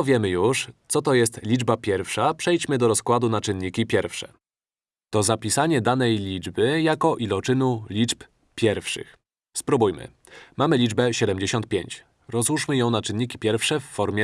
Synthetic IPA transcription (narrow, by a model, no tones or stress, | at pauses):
vʲjɛmɘjuʂt̪sɔt̪ɔjɛst̪lʲid͡ʐbapʲjɛɾfʂapʂɛjt͡ɕmɘd̪ɔɾɔskwad̪unat͡ʂɘnːikʲipʲjɛɾfʂɛ̰ | t̪ɔzapʲisaɲɛd̪anɛjlʲid͡ʐbɘjakɔʔilɔt͡ʂɘnulʲit͡ʂp | pʲjɛɾfʂɘ̰x | spɾubujmɘ̰ | mamɘlʲid͡ʐbɛɕɛd̪ɛmd͡ʑeɕɔ̃nt̪̚pʲjeɲt͡ɕ | ɾɔzuʂmɘjɔ̃w̃nat͡ʂɘnːikʲi̥pʲjɛɾfʂɛfːɔɾmʲjɛ